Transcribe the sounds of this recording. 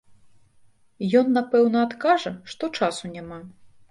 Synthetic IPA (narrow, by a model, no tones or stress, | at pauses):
jɔnːapɛwnɐːt̪kaʐɐʂt̪ɔt͡ʂasunʲama